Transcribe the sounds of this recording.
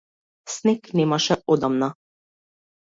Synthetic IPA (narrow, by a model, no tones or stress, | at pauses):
sneknemaʃɛɔd̪amna